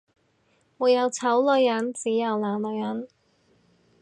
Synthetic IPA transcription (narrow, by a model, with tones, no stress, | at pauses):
wuː˨˧jɐ˨˧wt͡sʰɐ˨˥wlɵ˨˧jːɐ˨˥nt͡siː˨˥jɐ˨˩wlaː˨˩nlɵ˨˧jːɐ˨˥n